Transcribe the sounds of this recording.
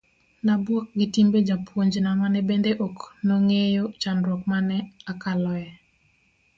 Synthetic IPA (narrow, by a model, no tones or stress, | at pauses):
nabwɔk̚ɡɪtimbed͡ʒapʰwoɲd͡ʒnamanɛbendeʔoknɔŋejot͡ʃanɾwɔk̚manɛakalɔjɛ